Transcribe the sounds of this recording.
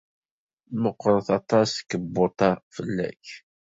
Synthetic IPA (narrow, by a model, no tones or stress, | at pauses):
məqːɾəθɑt̪ˤɑskːəbːot̪ˤɑfəlːæ̰ç